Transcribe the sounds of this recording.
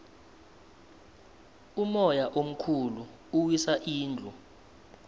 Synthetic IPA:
umɔjaʔom̩kʰulu | uwisaʔiːnd͡ɮʱu

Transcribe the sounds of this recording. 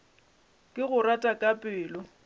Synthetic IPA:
kʼɪɣʊratʼakʼapʼɪːlɔ

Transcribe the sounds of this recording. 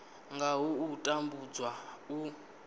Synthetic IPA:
ŋɡaɦuutʼambud͡zwau

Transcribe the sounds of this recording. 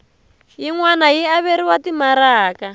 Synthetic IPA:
jiŋwanajiaβeɾiwatimaɾaːka

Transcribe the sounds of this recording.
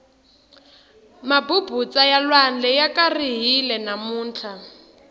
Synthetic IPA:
mabubut͡sajalwand͡ɮɛjakariɦilɛnamuːnt͡ɬʰa

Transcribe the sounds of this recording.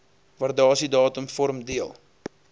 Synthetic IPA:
vɑːrdɑːsidɑːtəmfɔɾmdiəlˠ

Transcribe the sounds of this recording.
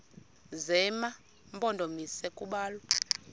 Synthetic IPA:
zɛma | mbʼɔndʱomisɛkʼuɓaːlwɔ

